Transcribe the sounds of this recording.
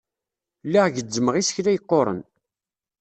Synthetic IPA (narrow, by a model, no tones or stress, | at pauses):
lːiʁʝəd͡zːəməʁisə̥çlæjəqːoɾˤə̰n